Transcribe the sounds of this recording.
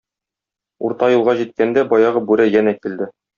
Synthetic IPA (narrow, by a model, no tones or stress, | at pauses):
uɾt̪ɑjulˠʁɑʑit̪̚kænd̪æbɒjɑʁɤbʉɾæjænækild̪ɘ